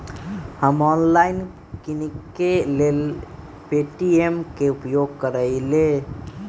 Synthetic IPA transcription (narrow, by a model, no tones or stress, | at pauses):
həmɔnlaɪn | kinikː | elel | peʈiemkeupjoɡ̚kəɾəɪle